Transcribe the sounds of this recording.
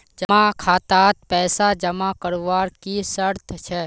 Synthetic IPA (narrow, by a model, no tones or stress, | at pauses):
d͡ʒəmakʰaːt̪aːt̪̚pɛːsad͡ʒəmakəɾʋaːɾkisəɾt̪ʰt͡ʃʰɛː